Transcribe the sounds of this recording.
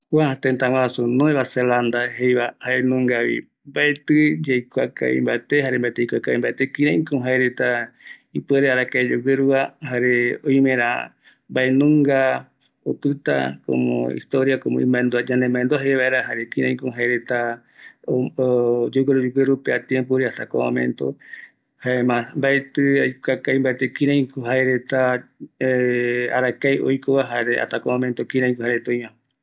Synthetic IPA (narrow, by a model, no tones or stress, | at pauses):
kʷat̪ent̪awãsunõẽβaseland̪aɦejβahaenũŋɡaβḭ | mbaet̪ɨd͡ʒejkʷaka̰ḭ̃mbaet̪eɦaɾembaet̪eikʷakaĩmbaet̪ekĩɾãĩkõɦaeɾet̪aipeɾeaɾakaed͡ʒeɡeɾuaɦaɾeojmẽɾã | mbaenũŋɡa | ot̪ɨt̪a̰ko̰mõ̰ḭst̪oɾjakomõḭ̃mãend̪ad͡ʒanembãẽnd̪uaɦeβaeɾaɦaɾekĩɾʔãj̃koɦaeɾet̪a | o | d͡ʒuɡeɾud͡ʒuɡeɾupeat̪jempoɾiat̪ako̰mã̰mḛ̃nt̪o̰ | haemãmbaet̪ɨajkakajmbaet̪ekĩɾãj̃koɦaeɾet̪aea̰ɾakajo̰jkoβaɦaɾea̰t̪akomãmẽnt̪okĩɾãj̃kuhaeɾet̪õj̃mã